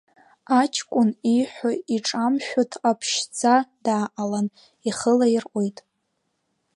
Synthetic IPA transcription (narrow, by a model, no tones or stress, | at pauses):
at͡ʃʰkʷʼʊniħʷaiʈ͡ʂʼamʃᶣotʰapʰʃd͡zʰadaːʔalan | iχəlairʔʷojtʼ